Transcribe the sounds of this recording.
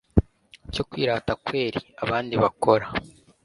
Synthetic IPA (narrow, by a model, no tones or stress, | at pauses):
co̞kwiːɾaːtakwe̞ːɾiaβaːndiβako̞ɾa